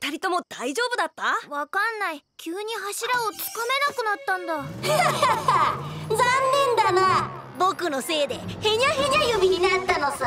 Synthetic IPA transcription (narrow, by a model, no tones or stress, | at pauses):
t̪aɾʲit̪o̞mo̞d̪̥aiʑo̞ːbɯ̟d̪at̪ːaβakanːaikʲʰɯːɲ̟iɦaɕiɾaot͡siɨ̥kame̞nakɯ̟nat̪ːãnd̪a | zãnːẽ̞nd̪ana | bo̞kɯ̟no̞se̞ːd̪e̞he̞ɲ̟ʲaɦe̞ɲʲajomʲiɲ̟inat̪ːanosɨ